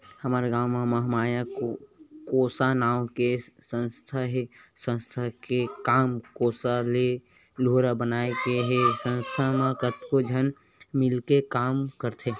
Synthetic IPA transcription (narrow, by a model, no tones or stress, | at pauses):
həməɾɡaːwmaməɦmaːjakokoːsanaːwkesə̃nst̪ʰaɦesə̃nst̪ʰakekaːmkoːsale | loːɾabənaːekeɦesə̃nst̪ʰamekət̪kod͡ʒʱənmɪlkekaːmkəɾt̪ʰe